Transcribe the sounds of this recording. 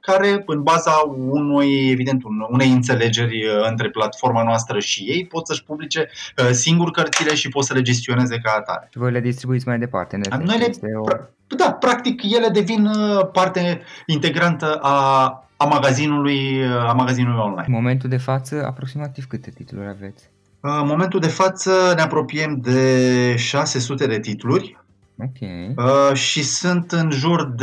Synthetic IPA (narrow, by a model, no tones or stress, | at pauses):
kaɾe̞ɨnbazaunujevid̪e̞nt̪unune̞jɨnt̪se̞le̞d͡ʒe̞rʲɨnt̪ɾe̞plat̪fo̞rmanoast̪ɾəʃije̞jpo̞t̪səʃʲpublit͡ʃe̞əsiŋɡurkərt̪sile̞ʃipo̞t̪səle̞d͡ʒe̞s̬t̪io̞neze̞kat̪a̰ɾeivojled̪ist̪ɾibuit̪sʲmajd̪e̞pa̰rt̪enenojleep | d̪apɾakt̪ikje̞le̞d̪e̞vinəpart̪eint̪e̞ɡɾant̪əʔaː | maɡazinulujəamaɡazinulujo̞nla̰jnmo̞ment̪uld̪e̞fat̪səa̰pɾo̞ksimat̪ivkɨt̪et̪it̪ulṵɾʲa̰ve̞t̪sʲ | əmo̞me̞nt̪uld̪e̞fat̪səne̞apɾo̞pie̞md̪e̞ʃase̞sut̪e̞d̪e̞t̪it̪ulurʲ | okʲʰḛjəʃisunt̪ɨnʒurd̪